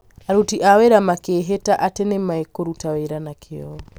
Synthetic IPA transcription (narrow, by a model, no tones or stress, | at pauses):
aɾutiʔaweɾamakeɦetaʔatenemaekoɾutaweɾanakʰeɔɔ